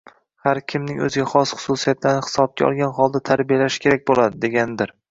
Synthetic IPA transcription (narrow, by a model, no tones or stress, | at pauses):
haɾkʲʰɪmnɪŋɵ̰zɪɡʲaχɒsχʊ̥susijat̪laɾnɪhɪ̥sɒb̚ɡʲa̰ɒ̰lˠɡʲanχɒlˠd̪at̪ʰaɾbijalaʃkʲe̞ɾak̚ʲbolad̪ɪd̪e̞ɡʲanɪd̪ɪɾ